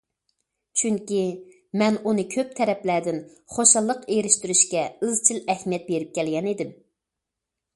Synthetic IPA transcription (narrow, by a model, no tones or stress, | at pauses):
t͡ʃʰyŋkʲi | mɛnunɨkʲʰøp̚t̪ʰɛɾɛplæd̪ɪn | χoʃɑlˠːəqeɾɪʃt̪yɾyʃkʲɛɨzt͡ʃʰilɛhmijɛt̪̚beɾɪp̚kʲʰɛlɡʲɛnid̪ɪm